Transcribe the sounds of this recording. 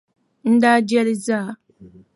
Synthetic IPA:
n̩˦da˦d͡ʒɛ˦lɪ˦za˦˨

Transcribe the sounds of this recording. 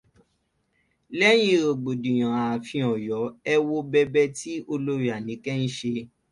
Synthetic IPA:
lɛ˦j̃ĩ˧˦ɾo˨ɡ͡bo˨dĩ˨j̃ã˨a˨fĩ˧ɔ˨jɔ˨˦ɛ˦˧wo˧bɛ˧bɛ˦ti˦o˧lo˦ɾi˦a˨nĩ˨˦kɛ˦n̩˦ʃe˧

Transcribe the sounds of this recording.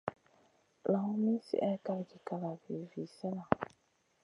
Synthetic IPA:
la˨ŋʊ˦mĩ˦sḭ˦ʔɛ˦ka˨ɡi˨ka˨la˨vi˨vi˨sɛ˦la˨

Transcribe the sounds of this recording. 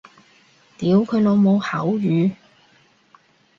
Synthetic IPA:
t̪iː˨˥wkʰɵ˨˧ɥnɔ˨˧mo˨˧whɐ˨˥wjyː˨˧

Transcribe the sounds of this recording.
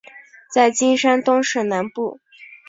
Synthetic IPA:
t͡sa˥˩ɪt͡ɕi˥nʂa˥nt̪ʊ˥ŋʂɻ̩˥˩na˧˥npu˥˩

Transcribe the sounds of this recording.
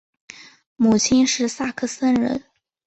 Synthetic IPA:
mu˨˩t͡ɕʰi˥nʂɻ̩˥˧sa˥˧kʰɤ˥˩sə˥nɻə̰˧˥n

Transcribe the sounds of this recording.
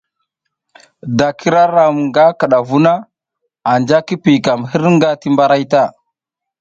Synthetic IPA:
da˨kʰi˦ɾa˦ɾa˨m˨ŋɡa˦ka˨ɗa˨vu˦na˦ | a˨nd͡ʒa˦ki˦pi˨ka˨mhi˦ɾŋɡa˦ti˦mba˦ɾa˦jta˦˨

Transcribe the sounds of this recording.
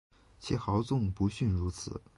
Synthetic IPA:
t͡ɕʰi˧˥˩xɑ˧˥ʊt͡sʊ˥˩ŋpu˧˥ɕy˥˩nɻu˧˥t͡sʰɹ̩̰˨˩˦

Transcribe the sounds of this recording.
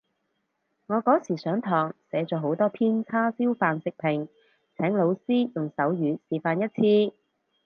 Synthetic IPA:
ŋɔː˨˧kɔː˨˥siː˨˩sœː˨˥ŋt̪ʰɔː˨˩ŋsɛː˨˥t͡sɔː˨˧ɦo˨˥wt̪ɔː˥pʰiː˥nt͡sʰaː˥siː˥wfaː˨nsɪ˨k̚pʰɪ˨˩ŋ | t͡sʰɛː˨˥ŋlo˨˧wsiː˥jʊ˨ŋsɐ˨˥wjyː˨˧siː˨faː˧njɐ˥t̚t͡sʰiː˧

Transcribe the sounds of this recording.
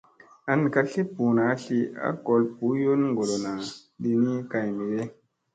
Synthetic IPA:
a˨n˨ka˦ɬi˦pu˨na˨˦ɬi˦a̰˦ko˨lpu˨˦jo˦nŋɡo˨lo˨na˨ɗi˦˧ni˦ka˨jmi˨ɗe˦

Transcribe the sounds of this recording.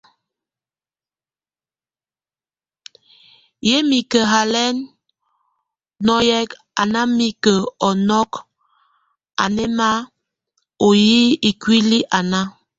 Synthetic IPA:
je˦mi˨kə˨ɦa˨lɛ˦n | nɔ˦jɛ˦k | a˨na˦mi˦kə˨ɔ˨nɔ˦k | a̰˨nɛ˦ma˦ | o˨ji˦i˨kwi˦li˦ʔa˨na˦

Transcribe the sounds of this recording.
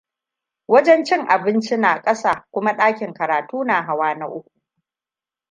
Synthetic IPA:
wɐ˦d͡ʒɛ˦nt͡ʃɪ˦ŋʔa˨bɪ˦nt͡ʃi˦naː˨kʼɐ˦saː˨kʷʊ˦ma˦ɗaː˦kʲɪ˨ŋkɐ˨ɾaː˨tuː˦naː˨ɦa˨waː˦na˦ʔʊ˦kʷu̥˨

